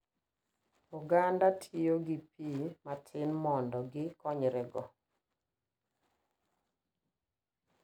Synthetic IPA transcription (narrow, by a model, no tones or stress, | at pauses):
uɡandatʰioɡipimatʰɪnmɔndɔɡɪkɔɲɾɛɡɔ